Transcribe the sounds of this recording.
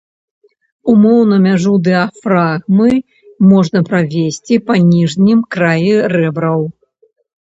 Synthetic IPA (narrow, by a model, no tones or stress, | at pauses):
umɔwnɐmʲaʐud̪ɛɐfɾaɣmɨ | mɔʐnɐpɾavʲesʲt͡sʲipanʲiʐnʲimkɾajirɛbɾɐw